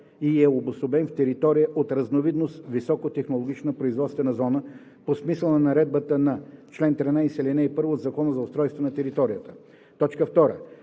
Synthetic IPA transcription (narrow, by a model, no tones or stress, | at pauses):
iɛobʊsobɛnft̪ɛɾit̪ɔɾijəʔot̪ɾɐznovid̪nost̪visɔkot̪ɛxnolˠoɡʲit͡ʃnəpɾoizvɔt̪st̪vɛnɐzɔnə | posmislˠənɐnɐɾɛd̪bət̪ənɐt͡ʃlɛnt̪ɾɛnaisʲɛlʲɛnɛipɤɾvod̪zɐkɔnəzɐʊst̪ɾɔjst̪vonɐt̪ɛɾit̪ɔɾijət̪ə̥ | t̪ɔt͡ʃkəft̪ɔɾə̰